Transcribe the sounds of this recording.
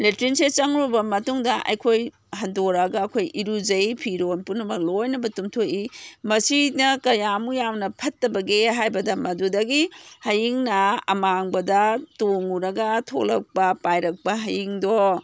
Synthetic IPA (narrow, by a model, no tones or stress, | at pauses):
letɾinset͡ʃɐŋɾobɐmɐtuŋdɐʔɐ̰jkʰoj | hɐndoɾɐɡɐːkʰojiɾud͡ʒɐjpʰiɾonpunɐmɐk̚lojnɐbɐtumtʰoʔimɐsinɐkɐjamujawnɐpʰɐtːɐbɐɡeɦajbɐdɐmɐdudɐɡihɐjiŋnɐɐ̰maŋbɐdɐtoŋuɾɐɡɐtʰo̰lɐk̚pɐpajɾɐk̚pɐɦɐjiŋdo